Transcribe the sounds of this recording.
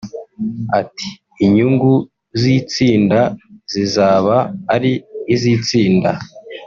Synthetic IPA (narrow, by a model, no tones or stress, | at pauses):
ati̥ː | ɲuŋɡu | zit͡siːndazizaːβaːɾiːzit͡siːnda